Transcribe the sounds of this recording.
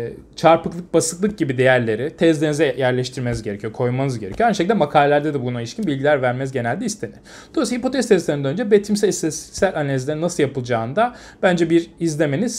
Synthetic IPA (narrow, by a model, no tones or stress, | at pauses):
t͡ʃʰaɾpɯklˠɯk̚basɯklˠɯk̚ɟibid̪e̞jæɾlʲe̞ɾit̪ʰɛzd̪enizɛjæɾlʲɛʃt̪ʰiɾmenizɡɟeɾecʰijokʰo̞jmanɯzɟe̞ɾecʰyjoajnɯʃecld̪ɛmakʰaːlʲelʲæɾd̪ɛd̪ɛbuɡunalʲiʃcinbilʲɟilʲæɾvæɾmɛzɟe̞nælʲd̪ɛist̪ʰe̞ni | d̪o̞isahipo̞t̪ʰɛst̪ʰɛzlʲeɾinænønd͡ʒɛbet̪ʰimsæsɛssælʲanelʲizlʲeinasɯlˠjapɯlˠd͡ʒaːɯnd̪a | b̥ænd͡ʒɛbiɾizlʲe̞me̞niz̥